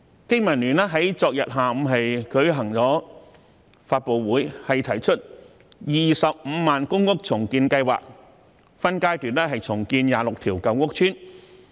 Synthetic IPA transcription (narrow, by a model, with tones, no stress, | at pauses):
kɪ˥ŋmɐ˨˩nlyː˨˩naː˥ɦɐ˨˥jt͡sɔː˧k̚jɐ˨t̚ɦaː˨m̩˨˧ɦɐ˨jkɵ˨˥ɥɦɐ˨˩ŋt͡sɔː˨˥ | faː˧t̚po˨wwuː˨˥jhɐ˨jt̪ʰɐ˨˩jt͡ʃʰɵ˥t̚ | jiː˨sɐ˨p̚m̩˨˧maː˨nkʊ˥ŋkʊ˥k̚t͡sʰʊ˨˩ŋkiː˧nkɐ˧jwa̰ː˨k̚ | fɐ˥nkaː˥jt̪yː˨nɛː˥ɦɐ˨jt͡sʰʊ˨˩ŋkiː˧njaː˨˩lʊ˨k̚t̪ʰiː˨˩wkɐ˨˥wŋʊ˥k̚t͡ʃʰyː˥n